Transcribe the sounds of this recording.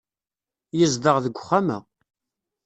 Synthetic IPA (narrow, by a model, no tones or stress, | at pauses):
jəzd̪əʁðəɡʷχːamə̰